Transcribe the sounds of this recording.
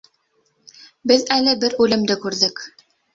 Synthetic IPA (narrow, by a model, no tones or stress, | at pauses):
bɘðælɘbɘɾʉlɘ̆md̪ɘkʉɾðɘk